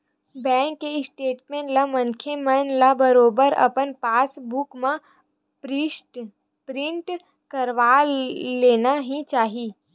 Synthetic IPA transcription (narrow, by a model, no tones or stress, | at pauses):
bɛ̃ːŋkːeɪsʈeːʈmẽɳʈlamə̃nkʰemənlabəɾoːbəɾɐ̰pənpaːsbʊkmã | pɾɪ | pɾɪ̃ɳʈ | kəɾʋaleːnaɦĩt͡ʃaːɦiː